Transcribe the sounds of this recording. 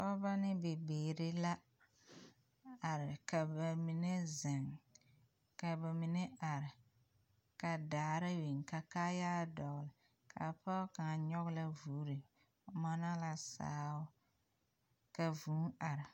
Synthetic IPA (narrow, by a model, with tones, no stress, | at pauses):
ɔ˦ba˦nɪ˦be˨beː˨ɾe˦la˦ | a˨ɾɪ˨ka˨ba˨mi˨ne˦zɪ˨ŋ | ka˨ba˨mi˨ne˦a˨ɾɪ˨ | ka˨daː˨ɾɪ˦wi˨ŋka˨kaː˦jaː˦dɔ˨ɣlɪ˨ | kʰa̰˨pa˦ka˨ŋa˨ɲɔ˦ɣla˦vuː˨˦ɾe˨ | ma˦na˦la˨sa̰ː˨˦wʊ˦ | ka˨vu˨˦ŋa˨ɾɪ˨